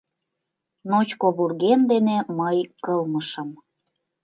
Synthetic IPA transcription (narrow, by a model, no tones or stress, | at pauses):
not͡ɕkoβurɣend̪eneməjkɤlməʃə̆m